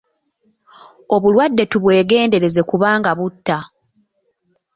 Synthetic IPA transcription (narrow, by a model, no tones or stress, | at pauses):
o̞βulwadːe̞tuβwe̞ːɡe̞ːnde̞ɾe̞ze̞kuβaːŋɡaβutːa